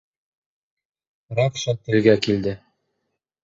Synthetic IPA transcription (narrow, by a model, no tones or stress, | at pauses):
ɾɑkʃɤnt̪ɘ̆lɡækild̪ɘ